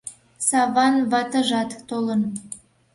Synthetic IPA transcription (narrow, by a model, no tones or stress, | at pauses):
sɑβɑnvɑt̪ə̆ʒɑt̪t̪olə̆n